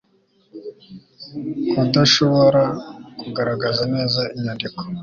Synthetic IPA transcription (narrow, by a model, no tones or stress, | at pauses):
kudaʃoβoɾakuɡaɾaɡazane̞ːzaiɲandiko̥